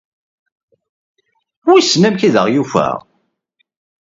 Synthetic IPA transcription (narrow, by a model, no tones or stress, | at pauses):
wisnæmkiðə̰ʁjufə̰ʁ